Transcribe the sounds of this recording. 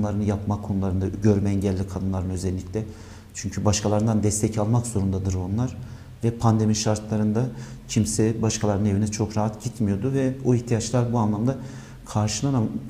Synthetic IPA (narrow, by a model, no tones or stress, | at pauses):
nlˠaɾɯnɯjapmakʰːo̞nulˠaɾɯnd̪aɟø̞ɾmɛɛɲɟɛlʲːikʰad̪ɯnlˠaɾɯnø̞zɛlʲːiclʲɛ | t͡ʃʰyɲcʰybaʃkʰalˠaɾɯnd̪and̪ɛst̪ʰɛcʰalˠmakzo̞ɾund̪ad̪ɯɾo̞nlˠaɾ̥ | vɛpʰand̪e̞miʃaɾt̪ʰlˠaɾɯnd̪acʰimsɛbaʃkʰalˠaɾne̞vinɛt͡ʃʰo̞kɾaɦat̪ɟit̪mijo̞d̪uvɛoiçt̪ʰijat͡ʃlˠaɾbuanlˠamd̪a | kʰaɾʃɯlˠanam